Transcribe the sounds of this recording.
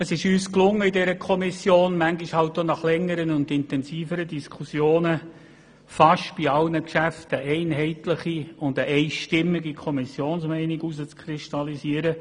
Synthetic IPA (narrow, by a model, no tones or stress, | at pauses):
əsɪʃyːsklʊŋːəidɛɾəkʰɔmisjoːnmæŋɡiʃhɑltːonɑχlɛŋːəɾənʊndɪntɛnsiːfəɾədiskʰusjoːnə | fɑʃtb̥iɑlnəkʃæftəʔɛɪnɦɛɪtləχiʊndəʔɛɪʃtɪmːɪɡikʰɔmisjoːnsmɛɪnɪɡuzət͡skʰɾɪʃtɑlisiəɾə